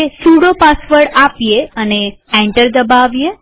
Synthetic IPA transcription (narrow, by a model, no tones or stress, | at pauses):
esuɽopasʋəɾɽapjeəneɛ̃ɳʈəɾd̪əbaʋje